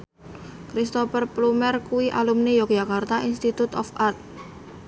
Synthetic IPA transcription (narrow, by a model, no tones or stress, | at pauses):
kɾist̪ɔpərplumɛrkuwiʔalumnejɔkd͡ʒakart̪aʔinst̪it̪ut̪ɔfart̪̚